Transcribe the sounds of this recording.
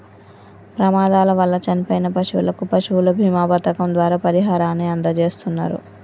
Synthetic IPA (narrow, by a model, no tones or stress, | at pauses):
pɾɐmaːd̪aːlɐʋɐlːɐt͡ʃɐnipɐjnɐpɐʂuʋṵlɐkupɐʃuulɐbʱiːmaːpɐt̪ɐkɐmd̪ʋaːɾaːpɐɾiɦaːɾaːnːeːɐnd̪ɐt͡ʃe̞ːst̪unːa̰ːɾṵ